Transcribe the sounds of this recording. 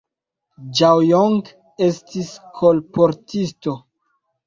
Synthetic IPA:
d͡ʒawjoŋɡ | e̞stiskʰolpoɾtisto

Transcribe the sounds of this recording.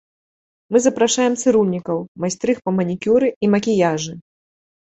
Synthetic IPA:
mɨzɐpɾaʂajɛmt̪sɨɾulʲnʲikɐwmajsʲt̪ɾɨxpɐmɐnʲikʲuɾɨimɐkʲijaʐɨ

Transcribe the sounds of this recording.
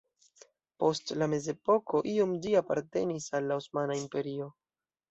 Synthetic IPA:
po̞stlame̞ze̞po̞ko̞ʔio̞md͡ʒiapa̰ɾte̞nisalːaosmanaimpe̞ɾio̞

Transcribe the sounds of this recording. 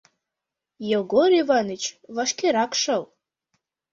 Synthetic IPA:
jɛɡoɾivanɨt͡ʃʰvaʂkʲeɾakʂal

